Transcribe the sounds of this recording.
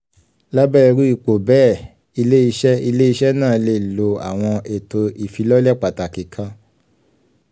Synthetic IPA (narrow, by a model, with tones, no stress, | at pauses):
la˦bɛ˦i˧ɾu˦i˦˨k͡po˨bɛː˦˨ | i˧le˦i˧ʃɛ˦i˧le˦i˧ʃɛ˦nã˦˨˦le˧˨lo˧a̰˨w̃ɔ̃˧ʔe˨to˧i˨fi˧˦lɔ˦lɛ˦˨k͡pa˨ta˨ki˨kʰã˧